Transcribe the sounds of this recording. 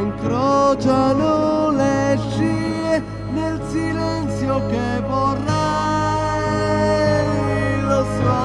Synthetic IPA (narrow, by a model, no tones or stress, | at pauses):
ŋkɾɔt͡ʃanoleʃie | nelsilɛnt̪sjokevorːa | losɔ